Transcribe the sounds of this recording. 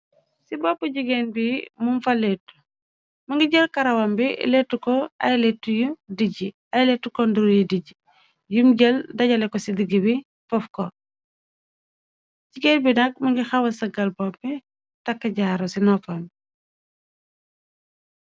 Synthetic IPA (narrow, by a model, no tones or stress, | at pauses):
sibɔpːəɟiɡenbimumfɐlɛtːu̥ | mɐŋɡiɟəlkɐɾɐwɐmbilɛtːukɔɐ̰jlɛtːujudiɟi | ɐjlɛtːukɔnduɾjudiɟi | jumɟəldɐɟɐlɛkɔsidiɡibi | fɔfkɔ | ɟiɡenbinɐk̚mɐŋɡixɐwɐsɐɡɐlbɔpːɛ | tɐkːɐɟaːɾosinɔfɐm